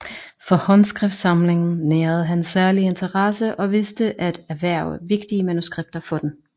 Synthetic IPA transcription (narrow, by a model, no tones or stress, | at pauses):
fɒ̽hɒ̽nsɡ̥ʁɛfd̥sɑ̈mle̝ŋn̩neːɐð̩ˠɦænsæɐlie̝nt͡sʰɐʁɑsəʔɒ̽ʋe̝sd̥əʔæd̥æʋæɐ̰ʋe̝ɡ̥d̥iəmænusɡ̥ʁeb̥̚d̥ɐfɒ̽d̥en